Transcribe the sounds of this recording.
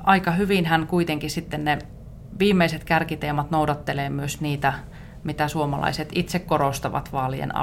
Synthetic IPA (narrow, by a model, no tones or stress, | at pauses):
ɑikɑhyʋinhænkuit̪eŋkisit̪ːenne | ʋiːmːeiset̪kærkit̪eːmɑt̪noudɑt̪ːeleːmyøsniːt̪æ | mit̪æsuomɑlɑ̰iset̪it̪sekkorost̪ɑʋɑ̰t̪ʋɑːliḛnɑ̰